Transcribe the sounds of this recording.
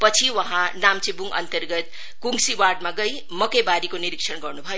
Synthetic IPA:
pʌt͡sʰiwʌɦãnamt͡sẽbuŋʌ̰nt̪ʌrɡʌt̪̚ | kuŋɡsiwaɖmaɡʌj | mʌkejbaɾikoniɾikʂʰʌnɡʌrnubʱʌjo

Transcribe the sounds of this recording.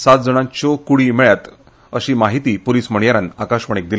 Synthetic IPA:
sat̪̚d͡zəɽ̃ãɲt͡ɕokuɽimeɭjat̪ | əɕiːmaɦit̪iːpoliːsm̤əɳjaɾanakaɕʋəɳ̃ek̚d̪il

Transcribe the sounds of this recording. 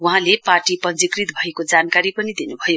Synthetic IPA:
wuɦãleparʈipʌnd͡zikrit̪bʱʌekod͡zankaɾipʌnid̪inubʱʌjo

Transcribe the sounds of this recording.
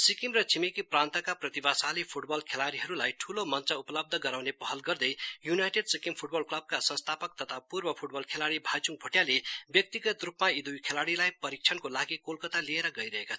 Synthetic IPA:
sikimrʌt͡sʰimikiprant̪ʌkaprʌt̪ibasalipʰuʈbʌlkʰelaɽiɦʌɾulajʈʰulomʌnt͡sʌuplʌb̚d̪ʱʌɡʌɾawnepʌɦʌlɡʌrd̪ʌjjunajʈeɖsikimpʰuʈbʌlklʌb̚kasʌ̃nst̪ʰapʌk̚t̪ʌt̪ʰapurbʌpʰuʈ̚bʌlkʰelaɽibʱajt͡suŋ̚bʱoʈjalebjʌk̚t̪iɡʌt̪rupmaid̪ujkʰelaɽilajpʌɾik̚t͡ʃʰʌnkolaɡikolkʌt̪alieɾʌɡʌjɾʌɦekat͡sʰ

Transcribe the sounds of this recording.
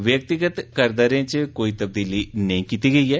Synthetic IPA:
ʋjək̚t̪ɪɡət̪kəɾd̪aːɾẽːt͡ʃəkoːit̪əb̚d̪iːlinəĩːkiːt̪iɡəiːɦɛː

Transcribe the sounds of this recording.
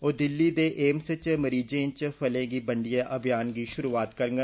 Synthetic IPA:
oːd̪ɪlːiːd̪eːʔeːmsət͡ʃməɾiːd͡ʒẽːt͡ʃpʰəlẽːɡiːbəɳɖɪjaːʔəbjaːnɡiːʃʊɾuːaːt̪kəɾŋɡ

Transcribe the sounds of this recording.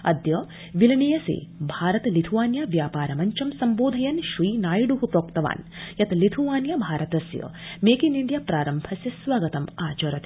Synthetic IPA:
ɐd̪jɐ | ʋilɐɳijɐsḛːbʱaːɾɐt̪ɐlit̪ʰuʋaːnjɐʋjaːpaːɾɐmɐɲt͡ʃɐmsɐmboːd̪ʱɐjɐnʃʋiːnaːjɖuɦupɾoːkt̪ɐʋa̰ːnjɐt̪lit̪ʰuʋaːnjɐbʱaːɾɐt̪ɐsjɐ̰meːkiniɳɖjapɾaːɾɐmbʱɐsjɐsʋaːɡɐt̪ɐmaːt͡ʃɐɾɐt̪

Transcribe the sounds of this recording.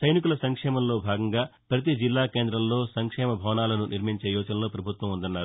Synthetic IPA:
sɐjnik̬ulɐsɐŋkʂɛːmɐmlo̞ːbʱaːɡɐŋɡaːpɾɐt̪̬id͡ʒilːaːkeːnd̪ɾɐmlo̞ːsɐŋkʂɛːmɐbʱɐʋnaːlɐnunʔiɾmiɲt͡ʃeːjɔːd͡ʒɐnɐloːpɾɐbʱut̪ʋɐmund̪ɐnːaːɾu

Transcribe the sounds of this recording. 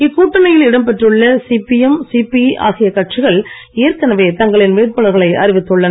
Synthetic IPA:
ɪkːuːʈːɐnɐjɪlɪɽɐmpɛʈrɯɭːɐsipɪjɛmsipia̰ːɣɪjɐkɐʈt͡ʃɪɣɐɭ | eːɾkɐnɐʋeːt̪ɐŋɡɐɭɪnʋeːɾpɐɭɐɾɣɐɭɐɪʔɐ̰ɾɪʋɪt̪ːɔɭːɐnɐ

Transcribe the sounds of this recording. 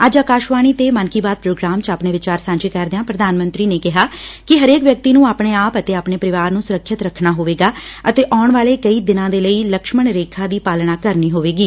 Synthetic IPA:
əd͡ʒaːkaːʃʋaːɳ̃iːt̪eːmənkiːbaːt̪̚pɾoːɡɾaːmt͡ʃaːpɳeːʋɪt͡ʃaːɾsãːɲd͡ʒeːkɛɾd̪ejãːpɾəd̪aːnmə̃nt̪ɾiːneːkɪɦaːkɪɦəɾeːkʋjək̚t̪iːnũːaːpɳeːaːpət̪eːaːpɳeːpəɾɪʋaːɾnũːsʊɾəkʰʃɪt̪ɾəkʰnaːɦoːʋeːɡaːət̪eːʔɔːɳʋaːleːkəiːd̪ɪnãːd̪eːləiːləkʃməɳɾeːkʰãːd̪iːpaːlnaːkəɾniːɦoːʋeːɡiː

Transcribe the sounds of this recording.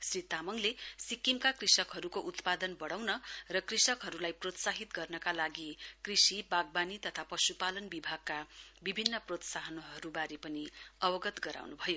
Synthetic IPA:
srit̪amʌŋlesikːimkakrisʌkɦʌɾukoʔut̪pad̪ʌnbʌɽawnʌrʌkrisʌkɦʌɾulajprot̪saɦit̪ɡʌrnʌkalaɡikrisibaɡ̚banit̪ʌt̪ʰapʌsupalʌnbibʱaɡ̚kabibʱinːʌprot̪saɦʌnoɦʌɾubaɾipʌniʌbʌɡʌt̪ɡʌɾa̰wnubʱʌjo

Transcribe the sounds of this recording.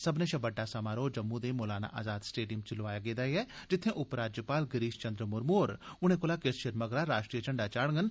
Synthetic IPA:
sɐbnẽʃɐbəɖːasamaːɾoːd͡ʒɐmːud̪emoːlaːna̰ʔaːzaːd̪sʈeːɖijəmt͡ʃɪlʋaːjaɡeːd̪aːiɦɛd͡ʒɪt̪ʰːẽʔʊpɾaːd͡ʒjəpaːlɡɪɾiːʃt͡ʃɐ̃nd̪ɾəmʊɾmoːɾʊñẽkolakesʃɪɾməɡɾaɾaːʃʈɾijəd͡ʒəɳɖat͡ʃaːɽŋɡən

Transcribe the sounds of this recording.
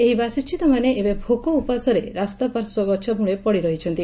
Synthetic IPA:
eɦibasit͡ʃʰit̪ɔmaneʔːbebʱokɔupasɔɾeɾast̪ɔpaɾsɔɡɔt͡ʃʰɔbʱuɭepɔɽiɾɔɦit͡ʃʰɔnt̪i

